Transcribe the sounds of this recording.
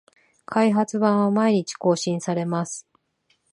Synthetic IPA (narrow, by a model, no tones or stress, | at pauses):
kʰaiɦat͡sɨbãɰ̃βamaiɲ̟it͡ɕi̥ko̞ːɕĩɰ̃saɾe̞masɨ̥